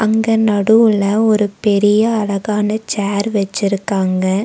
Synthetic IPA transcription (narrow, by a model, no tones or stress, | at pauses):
ɐŋɡɐnɐɽɯʋɭɐɔɾɯpɛɾɪjɐːɭɐɣaːnɐt͡ʃaːɾʋɛt͡ʃːɪɾɯkːaːŋɡɐ